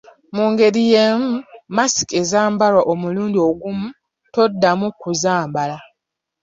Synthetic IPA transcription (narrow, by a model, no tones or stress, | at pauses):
muːŋɡe̞ɾije̞ːmumasi̥ke̞zaːmbalwaʔomuluːndio̞ɡumu | to̞dːamukuzaːmbala